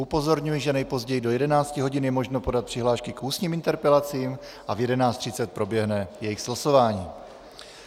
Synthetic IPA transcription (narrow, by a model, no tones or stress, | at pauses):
ʔupo̞zo̞ɾɲujɛʒɛnɛjpo̞zɟɛjido̞jɛdɛnaːt͡scɪɦo̞ɟɪnjɛmo̞ʒnopo̞dat̪̚pr̥ɪɦlaːʃkɪkʔuːsɲiːmint̪ɛɾpɛlat͡siːm | ʔavjɛdɛnaːt͡st̪r̥ɪt͡sɛt̪̚pɾo̞bjɛɦnɛjɛjɪxz̥laso̞vaːɲiː